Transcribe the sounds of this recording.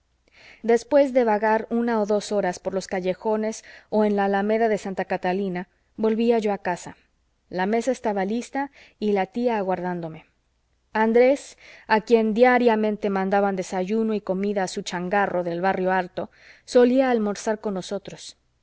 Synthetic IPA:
d̪e̞spwe̞zðe̞βaɣaɾunao̞ðo̞so̞ɾaspo̞ɾlo̞skaʝe̞xo̞ne̞so̞e̞nlalame̞ðaðe̞sant̪akat̪alina | βo̞lβiaʝo̞akasa | lame̞saest̪aβalist̪a | ilat̪iaːɣwaɾðand̪o̞me̞ | and̪ɾe̞sakje̞nd̪jaɾjamẽnt̪e̞mãnd̪aβand̪e̞saʝuno̞iko̞miðaːsut͡ʃaŋɡarʔo̞ðe̞lβarjo̞alt̪o̞ | so̞liaːlmo̞ɾsaɾko̞nːo̞so̞t̪ɾo̞s

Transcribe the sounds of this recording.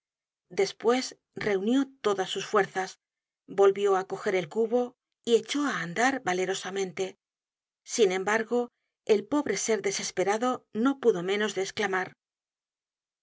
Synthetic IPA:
d̪e̞spwe̞s | re̞unjo̞t̪o̞ðasːusfwe̞ɾθas | bo̞lβjo̞ako̞xe̞ɾe̞lkuβo̞ | ie̞t͡ʃo̞aːnd̪aɾβale̞ɾo̞samẽnt̪e̞ | sinẽ̞mbaɾɣo̞ | e̞lpo̞βɾe̞se̞ɾðe̞se̞spe̞ɾaðo̞no̞puðo̞mẽ̞no̞zðe̞ːsklamaɾ

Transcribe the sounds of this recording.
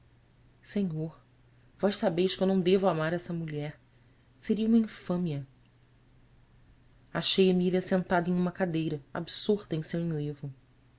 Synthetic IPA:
seɲoɾ | vɔjʃsabejʃkẽwnɐ̃w̃d̪evʊamaɾɛsɐmuʎɛɾ | seɾiɐumɐĩfɐ̃miɐ | aʃejemilʲiɐsẽnt̪ad̪ɐẽj̃ũmɐkad̪ejɾɐa̰bsoɾt̪ɐẽj̃sewẽj̃levʊ

